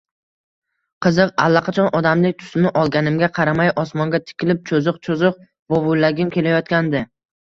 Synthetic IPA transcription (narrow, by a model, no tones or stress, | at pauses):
qʰɨzɨqa̰lˠːaqʰɑt͡ʃʰɒnʔɒd̪amlɪk̚ʲt̪ʰʊ̥snɪʔɒlˠɡʲanɪmɡʲaqʰɑɾamajʔɒsmɒŋɡʲat̪ʰɪ̥kʲɪlɪp̚t͡ʃʰozɨqt͡ʃʰozɨq̚ | bobʊjlaɡʲɪmkʲʰe̞lajɒt̪̚kʲand̪ɪ